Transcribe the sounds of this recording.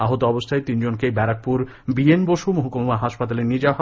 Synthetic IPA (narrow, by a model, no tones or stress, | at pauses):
aɦot̪oɔbost̪ʰaet̪ind͡ʑonkebɛɾak̚puɾ | bienboʃumoɦokomomaɦaʃpat̪aleɾnid͡ʑaɦɔ